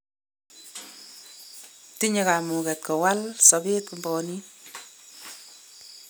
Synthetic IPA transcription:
ti˦ɲe˨ka˨mu˨kɛt̚kɔ˨wa˦lsɔbeːt̚kumbɔːni

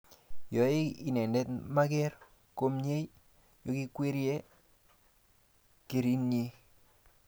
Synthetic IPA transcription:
jɔ˨i˦i˨nɛ˨ndɛ˦tma˦kɛ˦r | ko˦mɲe˦j | jo˦ki˦kwe˦ɾje˦ | ke˨ɾi˦nɲi˦

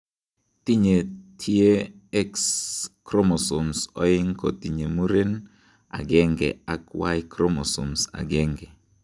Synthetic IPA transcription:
ti˦ɲe˨tʰie˦ɛ˦kskɾo˦mo˨so˨msɔ˨ɪ˦ŋko˨t̪i˨ɲe˨mu˦ɾe˦n | a̰˨ɡɛ˦ŋɡɛ̰˨a˨kwa˦ɪkɾo˦mo˨so̰˨msa̰˨ɡɛŋɡɛ˨

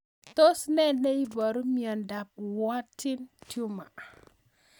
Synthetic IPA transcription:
to˦snɛ˦nɛ˦i˦bə˨ɾu˦miə˨nda˨p̚wa˦tːi˦ntju˦ma˨

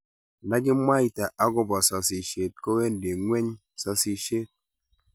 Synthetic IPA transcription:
na˦ɡi˦mʷa˦i˨ta˨ʔa˦ɡʊ˦bɔ˨sɔ˨si˨ʃe˨t̚ko˦we˦n˨de˨ŋwʷe˦ɲ | sɔ˦si˦ʃe˦t̚

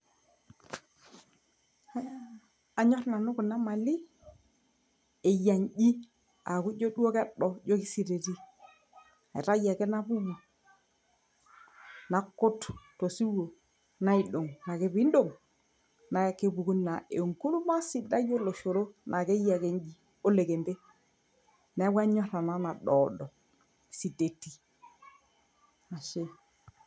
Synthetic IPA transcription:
a˨ɲɔ˦ɾna˨nu˦ku˨na˦ma˨li˦ | e˨ja˨ɲɟi˦ | a˨ku˦d͡ʒo˦du˦o˦kɛ˦ɗɔ˨d͡ʒo˦ki˦si˨ɾe˨ti˦ | a˨ḭ˨ta˦ja˨ke˦na˦bu˦wo˨ | na˨kːʊ˦tto˨si˦wo˨ | na˦i˨do˨ŋna˨ke˦bi˦ndo˦˨ŋ | na˨ke˦bu˨ɡu˦nːa˨ʔḛ˨ŋku˦lu˦ma˦si˦da˦jo˦lo˨ʃo˨ɾo˦na˨ke˦ja˨ke˦ɲɡi˦ | o˦le˨ke˨nde˦ | nɛ˨˦wa˦ɲɔ˦ɾa˨na˦na˨ɗɔ˨dɔ˨ | ki̥˨si˨te˨ti˨ | a˨ʃe˦

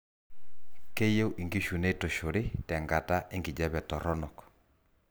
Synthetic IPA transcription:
ke˦je˦u˦ʔi˨ŋɡɪ˦ʃu˨ne˦to˨ʃʊ˨ɾɪ˦tɛ˨ŋɡa˨ta˦ʔe˦ŋɡɪ˨d͡ʒɛ˦βɛ˨tɔ˨ɾɔ˦nɔ˨k

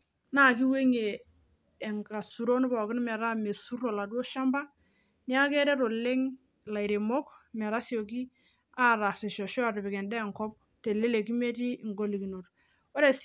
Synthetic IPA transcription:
na˦˨ki˦we˦ŋeː˨ | ŋka˨su˨ɾo˦n˦bɔ˨kɪ˦n˦mɛ˨ɾa˦me˨su˦ɾɔ˨la˨dwo˦ʃa˦mba˦ | n˦a˦kɛ˦ɾe˦ɾo˨le˦ŋ | la˨i˨ɾe˨mo˦kmɛ˨ɾa˦sjo˨ki˦ | a˦ɾa˨sɪ˨ʃɔ˨ʃɔ˦a˨ɾɪ˨bɪ˨kɛ˨ndɛ˦˨ŋkɔ˦p̚ | te˨le˦le˨ki˦me˦ti˦˨ŋɡo˦li˨ki˨no˨t | o˦ɾe˨s

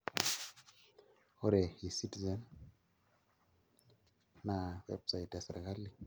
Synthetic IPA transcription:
o˦ɾe˨i˨si˦ti˨ze˦n | na˨wḛ˦bsa˨i˨ta˨sɾa˨ɡa˦li˨

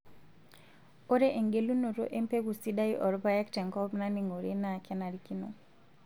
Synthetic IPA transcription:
o˦ɾe˦ʔe˨ŋɡe˨lu˦no˨ɾo̰˦ʔe˦m˦pe˦ku˨si˦da˦i˦ʔɔ˨ɾɔ˦pa˦jɛ˦ktɛ˨ŋkɔ˦pna˦ni˨ŋo˨ɾe˦na˨kɛ˦na˨ɾiki˦no

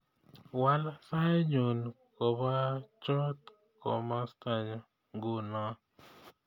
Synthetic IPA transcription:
wa˦lsa˦jɲo˨nkɔ˨ba˦t͡ʃɔ˦t̪ | kɔ̰˨ma˦st̪a˨ɲɔ˨ | ŋɡu˦na˦

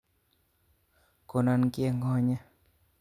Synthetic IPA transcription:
ko˨na˨nkɪ˦ɛ˨ŋɔ˦ɲa˦

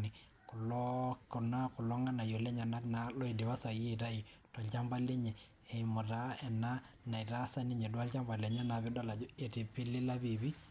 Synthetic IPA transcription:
ni˨ku˨lɔ˦ku˨na˦kʊ˨lɔ˦ŋa˦na˨jo˨le˦ɲa˨na˦kna˨lɔ˦i˨di˨wa˦sa˨je˦ta˦ji | tɔ˨lt͡ʃa˦mba˦le˦ɲɛ˨ | e˨imɔ˨ta˦ɛ˨na˦ | na˨i˨ta˦sa˦ni˦ɲɛ˨du˦a˦lt͡ʃa˦mba˨lɛ˨ɲa˦na˨βɪ˦dɔ˦la˨d͡ʒɔ˦e˨ti˨pi˦lɪ˦la˦bi˨bi˦

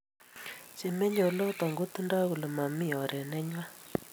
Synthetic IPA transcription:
t͡ʃe˨me˦ɲo˨lo˦t̪ɔ˨ŋɡo˦t̪ə˦nda˦ɣu˨lə˨ma˨mi˦˨ɔ˨ɾe˨nɛ˦ɲ˦wa˦

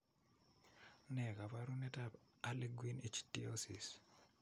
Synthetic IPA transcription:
nɛ˨ka˨pa˦ɾu˦nɛ˦tap | aleɡwini˦t͡ʃtḭosḭ˨s

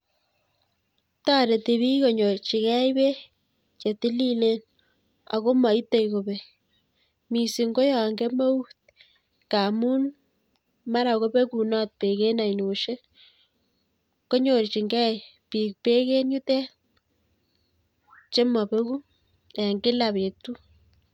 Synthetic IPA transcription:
ta˦ɾe˨te˨βi˦ko˨ɲo˨ɾt͡ʃi˨kɛ˦jbe˦ | t͡ʃe˨ti˦li˦le˦n | a̰˨ko˦ma˨i˦te˦˨jko˨be˨ | mi˨si˨ŋɡo˦jɔ˨ŋɡe˦mo˦u˦t̚ | ka˨mu˦n | ma˦ɾa˨ko˦pe˦ku˨nɔ˦t̚pe˨ke˦na˨jno˨ʃe˦ | ko˦ɲo˨ɾt͡ʃi˨ŋɡɛ˦j | pi˨k̚pe˦ke˦nju˦tɛ˦ | t͡ʃe˦mɔ˨pe˦ku˦ | ja˨ŋɡɪ˦la˨βe˨tu˦

